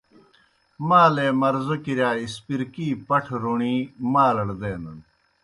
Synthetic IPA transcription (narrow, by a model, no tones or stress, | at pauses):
maːleːmɐɾzukiɾjaːispiɾkiːpɐʈʰɾuɳimaːlɐɽd̪eːnɐn